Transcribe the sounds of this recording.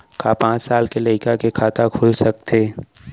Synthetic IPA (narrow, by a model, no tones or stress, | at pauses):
kapãːt͡ʃsaːlkelɐɪkakekʰaːt̪akʰʊlsɐk̚t̪ʰeː